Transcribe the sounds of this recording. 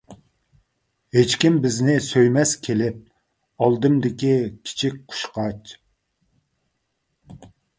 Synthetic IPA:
het͡ʃkʲimbɪznɪsøjmɛskʲʰelɪp̚ | ɑlˠd̪ɨmd̪ɪkʲikʲʰi̥t͡ʃʰik̚ʲqʰʊ̥ʃqɑt͡ʃ

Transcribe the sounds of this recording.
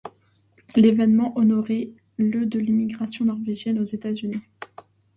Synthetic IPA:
levɛnmɑ̃ʔɔnɔʁe | lød̪əlimiɡʁasjɔ̃nɔʁveʒjɛnozet̪azyni

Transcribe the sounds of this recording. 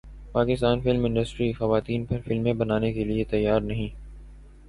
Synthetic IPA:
paːkɪst̪aːnfɪlmɪ̃ɳɖəsʈɾixɐʋaːt̪iːnpɐɾfɪlmẽbɐnaːnekeliet̪ɐjːaːɾnɐɦĩː

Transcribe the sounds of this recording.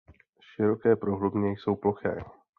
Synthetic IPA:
ʃɪɾo̞kɛːpɾoɦlubɲɛjso̞wploxɛ̰ː

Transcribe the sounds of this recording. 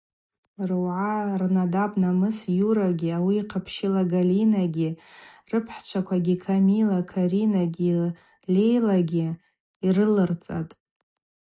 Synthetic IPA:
rɨwʕarnadabʼnamɨsjuɾaɡʲiawiːqʰapʰʃɪlaɡalinaɡʲirɨpʰħt͡ʃʷʰakʷʰaɡʲikʰamilakʰaɾinaɡʲi | le̞jlaɡʲi | irɨlɨrt͡sʼa̰tʼ

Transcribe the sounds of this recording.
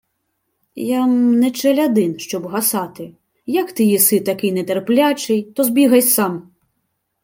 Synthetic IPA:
jamnɛt͡ʃɛlʲɐd̪ɪnʃt͡ʃɔbɦɐsɑt̪ɪ | jɐkt̪ɪjisɪt̪ɐkɪjnɛt̪erplʲat͡ʃɪjt̪ɔzbʲiɣɐsʲsɑm

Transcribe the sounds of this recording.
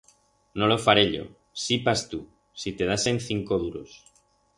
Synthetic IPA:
nolofaɾeʎo̞̰ | sipast̪u | sit̪eð̞asen̟θiŋkoðuɾo̰s

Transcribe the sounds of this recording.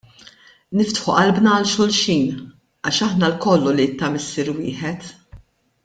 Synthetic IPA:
nɪft̪ħuʔɐlbnɐɐlʃʊlʃiːn | ɐːʃɐħnɐlkɔlːulit̪ːɐmɪsːiɾwɪːħɛt̪

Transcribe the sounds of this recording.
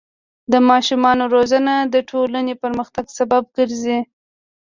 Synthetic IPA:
d̪əmɑʃumɑnoɾozanad̪əʈʰolanepəɾməxt̪aɡsabab̚ɡəɾzi

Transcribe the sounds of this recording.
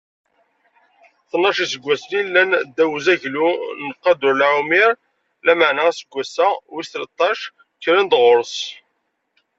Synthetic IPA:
θnːɑʃisəɡʷːæslilːænd̪æwzæʝlunəqːɑd̪ʊɾlʕumiɾ | læməʕnææsəɡʷːæsæwist̪lət̪ˤːɑʃ | çɾænd̪ʁʊɾəs

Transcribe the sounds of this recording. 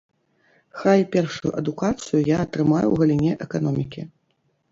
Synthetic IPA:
xajpʲɛrʂujṵʔɐd̪ukat̪sɨjujaɐt̪ɾɨmajṵwɣɐlʲinʲɛʔɛkan̪ɔmʲikʲi

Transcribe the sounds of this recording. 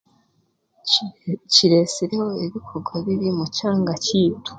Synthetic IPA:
t͡ʃiɾeseɾeho̞iβikʰo̞ɡwaβiɾimut͡ʃaːŋɡat͡ʃiːtu̥

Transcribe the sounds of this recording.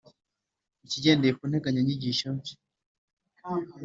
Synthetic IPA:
it͡ʃid͡ʒɛndɛpɔnɛkaɲaɲiɡiʃat͡ʃi̥

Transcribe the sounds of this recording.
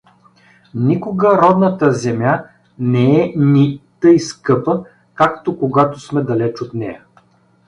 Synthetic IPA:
nikoɡəɾɔd̪nət̪əzɛmʲja | nɛɛnit̪ɤjskɤpə | kakt̪okoɡat̪osmɛd̪ɐlɛt͡ʃot̪nɛjɐ

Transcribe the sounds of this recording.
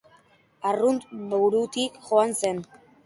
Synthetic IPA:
arunt̪mowɾut̪ikʝo̞anse̞n

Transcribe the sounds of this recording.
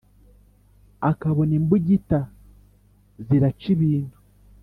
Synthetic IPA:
akaβoniːmbuɟita | ziɾat͡ʃiβiːntu̥

